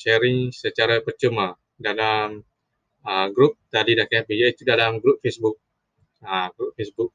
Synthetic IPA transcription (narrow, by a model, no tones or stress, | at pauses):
t͡ʃɛɾɪŋsət͡ʃaɾapərt͡ʃuma | dalam | əɡɾup̚t̪adidahkɛbijait̪udalamɡɾup̚fesbuk̚ | aɡɾup̚fesbʊk̚